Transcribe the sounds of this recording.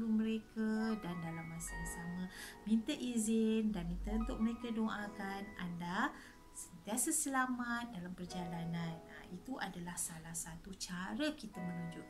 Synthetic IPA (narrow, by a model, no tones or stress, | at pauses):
ɾuməɾekadandalamːasamasamãmĩnt̪əʔizɪndanmĩnt̪əunt̪ʊʔ̚məɾekadoʔakananda | sənt̪iasəsəlamat̪̚dalampərd͡ʒalanan̰it̪uʔadalahsalahsat̪ut͡ʃaɾəkit̪amə̃nuɲd͡ʒʊʔ̚